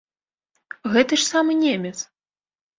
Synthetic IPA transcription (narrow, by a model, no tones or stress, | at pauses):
ɣɛt̪ɨʂsamɨnʲemʲɛt̪s